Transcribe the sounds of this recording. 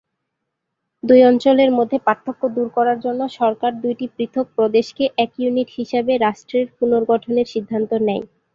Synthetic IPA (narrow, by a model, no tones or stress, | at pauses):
d̪ujɔnt͡ɕoleɾmod̪ʱːepaɾt̪ʰːokːod̪uɾkɔɾaɾd͡ʑonːoʃɔɾkaɾd̪ujʈipɾit̪ʰok̚pɾod̪eʃkeʔɛkjuniʈhiʃebeɾaʃʈɾeɾpunoɾɡɔʈʰoneɾʃid̪ʱːant̪onɛj